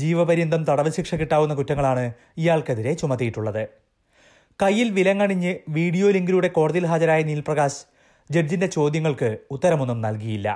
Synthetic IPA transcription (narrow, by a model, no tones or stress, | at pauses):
d͡ʑiːʋɐbɐɾind̪ʱɐmt̪ɐɽɐʋɨɕikʂɐkːiʈːaːwunːɐkutːɐŋːɐɭaːɳɨ | ijaːɭkeðiɾe̞t͡ɕumɐt̪ːijiʈːuɭːɐðɨ | kɐjːilʋilɐŋːɐɳiɲːɨʋiːɽijo̞ːliŋɡiɾuɽe̞ko̞ːɽɐðilɦaːd͡ʑɐɾaːjɐnilprɐɣaːs | d͡ʑer̚d͡ʑinde̞t͡ɕo̞ːd̪jɐŋːɐɭkɨut̪ːɐɾɐmo̞nːumnɐlkijjilːɐ̰